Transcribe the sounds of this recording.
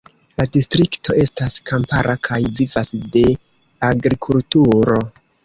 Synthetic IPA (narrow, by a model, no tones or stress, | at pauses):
ladistɾikto̞e̞staskʰampaɾʔakʰajvivasde̞ | aɡɾikʰultuɾo̞